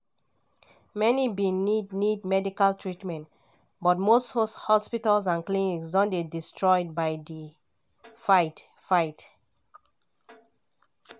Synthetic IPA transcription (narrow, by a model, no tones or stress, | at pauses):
mɛnibĩnidnid̚mɛdikaltʰɹitmɛ̃nt | bɔt̚mosthshɔspitals̬ãnkliniksdɔ̃nbedistʰɹɔjd̚baɪdi | faɪt | faɪt